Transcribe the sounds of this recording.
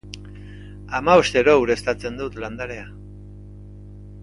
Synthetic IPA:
amaost̪eɾo̞uɾe̞st̪at͡se̞nd̪ut̪land̪aɾe̞a

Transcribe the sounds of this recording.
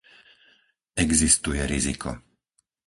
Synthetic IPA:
ɛɡzist̪ujɛɾizikʰɔ̰

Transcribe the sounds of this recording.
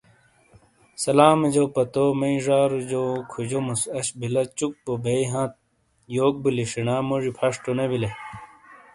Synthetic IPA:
sɐlaːmɐd͡ʑopɐt̪omɐiʐaːɾud͡ʑoːkʰud͡ʑomusɐɕbilɐt͡ɕuk̚pobejɦãːt̪̚ | joːk̚biliʂinaːmoʐipʰɐʂʈonebile

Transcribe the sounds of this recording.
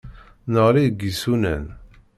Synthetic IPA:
nəʁliɡisunæ̰n

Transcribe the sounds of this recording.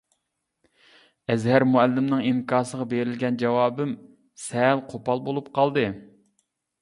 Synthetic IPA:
ɛzɦæɾmuɛlːɪmnɨŋiŋkʰɑːsəʁɑbeɾɪlɡʲɛnd͡ʒɛwɑːbɪm | sɛlqʰopɑlˠbolˠup̚qʰɑlˠd̪ɨ

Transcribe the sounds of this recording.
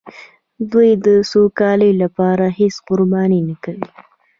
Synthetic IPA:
d̪ujd̪əsokɑləjlapɑɾaɦesqʊɾbɑninakawi

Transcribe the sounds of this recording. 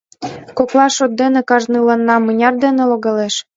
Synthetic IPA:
koklˠɑʃot̪̚d̪enĕkɑʒnɯlɤnːɑmɤnʲɑrd̪enĕloɣɑleʃ

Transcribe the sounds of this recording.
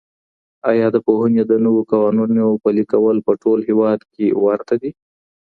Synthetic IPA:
ɑjɑd̪əpoɦənjed̪ənəwokɑwɑnunopəlikawəlpəʈolhewɑd̪kewaɾt̪ad̪i

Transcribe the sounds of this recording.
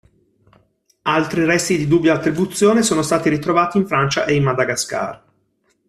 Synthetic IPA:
alt̪ɾiɾɛst̪id̪id̪ubːjaːt̪ːɾibut̪sːjoːnesoːnost̪aːt̪iɾit̪ɾovaːt̪iːɱfɾant͡ʃa̰ʔeinmad̪aɡaska̰ːr

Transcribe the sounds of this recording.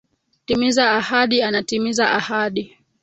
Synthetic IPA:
timizaːhaɗianatimizaʔahaɗi

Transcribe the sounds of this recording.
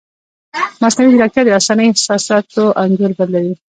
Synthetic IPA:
masnawid̪ɪɾɑk̚t̪jɑd̪əasɑnəjɪhsɑsɑt̪oʔanzəɾbaɾlawi

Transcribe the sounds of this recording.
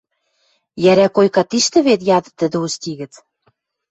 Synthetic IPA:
jæɾækojkɑt̪iʃt̪ɘ̆βet̪jɑd̪ɤ̆t̪ːə̆d̪ɘ̆ust̪ʲiɣɘ̆t͡s

